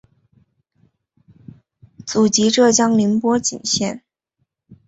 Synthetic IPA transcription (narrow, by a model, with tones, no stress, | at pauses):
t͡su˨˩t͡ɕi˧˥ʈ͡ʂɤ˥˩t͡ɕjɑ˥ŋli˧˥npwɔ˥t͡ɕḭ˨˩nɕjɛ˥˩n